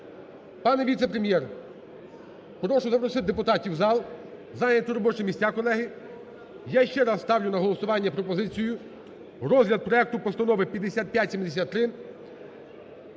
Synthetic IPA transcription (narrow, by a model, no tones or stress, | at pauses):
pɑnɛʋʲit̪sɛpɾemʲjɛr | pɾɔʃʊzɐpɾɔsɪt̪̚d̪epʊt̪ɑtʲiwzɑlˠ | zɑjnʲɐt̪ʊɾɔbɔt͡ʃɪmʲisʲt͡sʲakɔlˠɛɦɪ | jaʃt͡ʃɛɾɑsst̪ɑwlʲʊnɐɦɔlˠɔsʊʋɑnʲːɐpɾɔpɔzɪt͡sʲijʊ | rɔzɦlʲɐd̪̚pɾɔɛk̚t̪ʊpɔst̪ɐnɔʋɪpʲjɐd̪ːesʲat̪̚pʲjatʲsʲimd̪esʲat̪ːɾɪ